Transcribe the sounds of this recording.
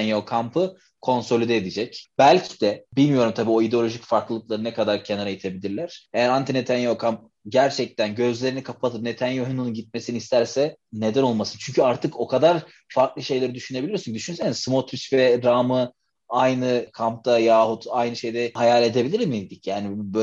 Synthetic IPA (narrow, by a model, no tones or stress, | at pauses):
njokʰampɯ | kʰo̞nso̞lʲid̪eːd̪id͡ʒɛcbælʲcʰi̥d̪ɛbilʲmijo̞ɾumt̪ʰabiːo̞id̪eo̞lʲo̞ʒicfaɾklˠɯlˠɯk̚lˠaɾɯnɛkʰad̪aɾcʰenaɾajit̪ʰe̞bilʲiɾlʲæɾ̥e̞jæɾant̪ʰinet̪ʰanjokʰamp̚ | ɟæɾt͡ʃʰɛc̚t̪ʰænɟø̞zlʲe̞ɾinikʰapʰat̪ʰɯp̚ne̞t̪ʰanjoɦinununɟit̪̚me̞sinist̪ʰæɾsɛne̞d̪æno̞lˠmasɯnt͡ʃʰyɲcʰyaɾt̪ʰɯko̞kʰad̪aɾ | faɾklˠɯʃe̞jlʲeɾid̪yʃyne̞bilʲijosund̪yʃynsenizsmot̪ʰysvɛɾaːmɯ | ajnɯkʰamp̚t̪ʰajaːhut̪ajnɯʃe̞jd̪ɛhajaːlʲe̞d̪e̞bilʲiɾmid̪icjaːnibø